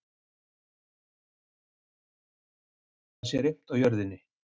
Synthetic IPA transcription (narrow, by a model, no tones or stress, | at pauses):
asɛɾɪm̥t̪awjœɾðɪnːɪ